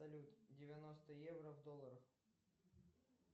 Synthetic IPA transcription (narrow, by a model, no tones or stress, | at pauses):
ɐlʲut̪dʲɪvʲɐnost̪əjɛvrəvd̪olˠːəɾəx